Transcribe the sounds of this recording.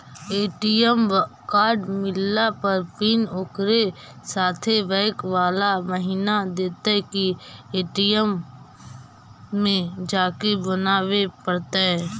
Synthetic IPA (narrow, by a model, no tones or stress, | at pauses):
eːʈijəmkaːɾɖmɪlːapəɾpiːnʊkɾe | saːt̪ʰeʋɛːkʋaːlaməɦinad̪eːt̪ekieːʈijəm | ẽd͡ʒaːkebənaːwepəɾt̪eɦɛː